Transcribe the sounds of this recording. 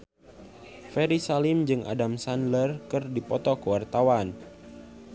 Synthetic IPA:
fɛɾisalɪmd͡ʒɨŋʔa̰damsanlərkɨrdipɔt̪ɔkəwart̪awan

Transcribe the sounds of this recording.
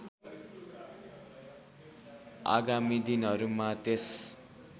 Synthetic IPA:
a̰ɡamid̪inʌɾumat̪es

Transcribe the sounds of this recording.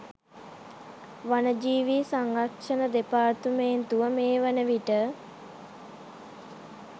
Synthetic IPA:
ʋanəd͡ʒiːʋisaŋɾakʂənəd̪epaːrt̪umeːnt̪uʋəmeːʋanəʋiʈə

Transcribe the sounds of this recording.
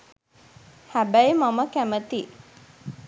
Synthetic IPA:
hæbæjmaməkæmət̪i

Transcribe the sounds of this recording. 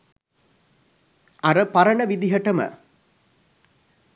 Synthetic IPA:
aɾəpaɾɐɳəʋid̪iɦəʈəmə̰

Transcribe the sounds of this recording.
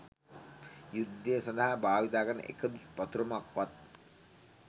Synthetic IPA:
jud̪ːəəsɔ̃nd̪aɦabʱaːʋit̪aːkəɾnə̰ʔḛkəd̪ut̪pat̪uɾɐmakʋat̪̚

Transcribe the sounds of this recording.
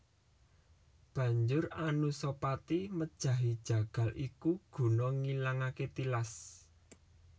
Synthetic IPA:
b̥ä̤ɲd͡ʒʊranusopat̪iməd̥ʒ̥ä̤ɦid̥ʒ̥ä̤ɡ̥ä̤lʔikuɡ̥ṳnɔŋilaŋaket̪ilas

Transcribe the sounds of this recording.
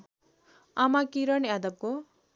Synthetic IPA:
amakiɾʌnad̪ʌb̚ko

